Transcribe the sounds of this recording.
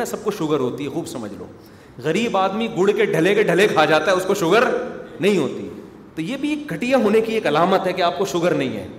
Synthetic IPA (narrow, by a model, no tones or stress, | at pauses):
ɛ̃sɐb̚koʃʊɡəɾɦoːt̪iɦɛxuːbsɐməd͡ʒʱlõ̰ː | ɣɐɾiːbaːd̪miɡʊɽkeɖʱɐlekeɖʱɐlekʰaːd͡ʒaːt̪aɦɛʊskoʃʊɡəɾnɐɦĩɦoːt̪ḭ | t̪ojeːbʱieːk̚ɡʱɐʈijaɦoːnekieːkɐlaːmət̪ɦɛkeaːp̚koʃʊɡəɾnɐɦĩɦɛ̰ː